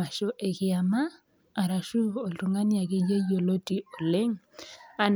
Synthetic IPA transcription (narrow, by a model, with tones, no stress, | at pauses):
a˨ʃo˨ʔe˨kɪ˨a˨maː˦˨ | ɾa˨ʃu˦o˨tu˨ŋa˦nja˨ɣɪ˦je˦jo˨lo˦ti˨o˨le˦ŋa˨n